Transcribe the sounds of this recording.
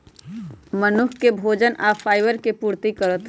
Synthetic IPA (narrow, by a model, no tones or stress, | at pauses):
mənʊkʰkebʱoːd͡ʒənʔafʰaːɪʋəɾkepuːɾt̪ikəɾət̪